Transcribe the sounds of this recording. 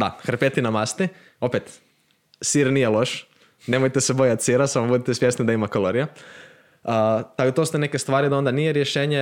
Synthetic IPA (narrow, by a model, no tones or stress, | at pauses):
d̪a̰xɾ̩pet̪inamast̪i | o̞pet̪ | siɾnijelo̞ʃ | ne̞mojt̪esebo̞jat̪ʲsiɾasamobud̪it̪esʋje̞snid̪aimakolˠoɾija | ət̪aɡot̪ost̪enekest̪ʋaːɾid̪ao̞nd̪anijeɾjeʃeːɲe